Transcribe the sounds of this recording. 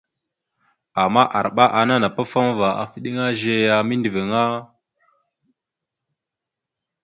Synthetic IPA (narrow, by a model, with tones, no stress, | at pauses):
a˨mːa˦ʔa˨ɾɓa˦ʔa˨na˦na˨pa˦fa˦mva˨a̰˨fi˦ɗi˦ŋa˦ʒe˦ja˨mi˦ndi˨ve˨ŋa˦